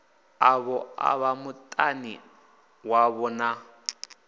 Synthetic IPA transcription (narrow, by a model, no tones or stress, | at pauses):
aβɔa̰βamʊtʼani | waβɔna